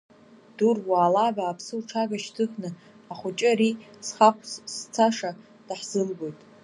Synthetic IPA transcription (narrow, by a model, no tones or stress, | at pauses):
d̥urwaːlabaːpʰsɨlʈ͡ʂʰaɡaʃtʰɨχnɨ | aχʷʊt͡ʃʼɪɾisχakʷʰsst͡sʰaʂa | d̥aħz̥ɨlɡo̞jtʼ